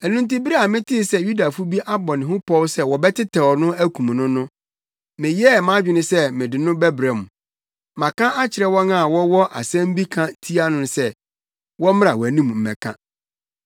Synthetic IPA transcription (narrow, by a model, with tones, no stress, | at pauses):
ɛ˨nũ˦n˦ti˦bi˦ɾa˨mɪ̃˦tʰɪ˦˨sɛ˦ju˦da˨fu˦bi˦ʔa˦bɔ̃˨nɪ̃˨ɦʊ̃˦pʰɔ˦wsɛ˦wɔ˨bɛ˦tʰɪ˦tʰɛ˨wɔ˨nʊ̃˦æ˦kʰũ˨m˨nʊ̃˦nʊ̃˦ | mɪ̃˨jɛ˦˨mã˦d͡ʑᶣɪ˨nʊ̃˦sɛ˦mɪ̃˨dɪ˨nʊ̃˦bɛ˦bɾa˨m˨ | mã˨kʰã˦a˦t͡ɕʰɪ˨ɾɛ˦wɔ̃˦nã˦˨wɔ˦wɔ˦ʔa̰˨sɛ̃˦m̩˦bi˦kʰã˦tʰi˦a˦nʊ̃˨n˦sɛ˦ | wɔ˦mɪ̃˦ɾa˨wɔ˨æ˨nĩ˦m˨m̩˨ɛ̰̃˨kʰã̰˦